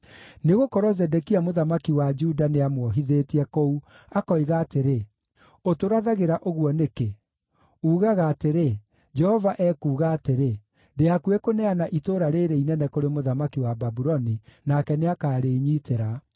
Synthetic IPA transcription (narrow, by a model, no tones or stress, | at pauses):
neɣokɔɾɔzɛdɛkiamoðamakiwad͡ʒudaneamwɔɦiðetiɛkɔu | akɔiɣaːteɾe | otoɾaðaɣeɾaʔoɣwɔneke | uːɣaɣaːteɾe | d͡ʒɛhɔvaʔɛːkuːɣaːteɾe | deakuekonɛanaʔitoɾaɾeɾeinɛnɛkoɾemoðamakiwababuɾɔninakɛneakaːɾeɲiːteɾa